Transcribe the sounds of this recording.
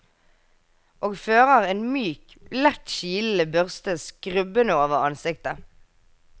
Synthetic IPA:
ʔoːɡføːʁəʁeːnmyːk | lɛt̪ʃiːl̩əbœʁst̪əskʁʉbənəoːʋəʁɑnsɪk̚t̪ə

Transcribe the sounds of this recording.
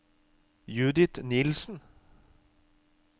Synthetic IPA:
jʉːd̪ɪt̪nɪlsn̩

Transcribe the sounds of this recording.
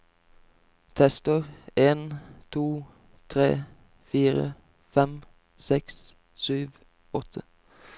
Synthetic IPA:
t̪ʰɛst̪əʁeːnt̪ʰuː | t̪ʰʁḛː | fiːʁə̰ | fɛm | sɛks | syːʋ | ɔt̪ʰə

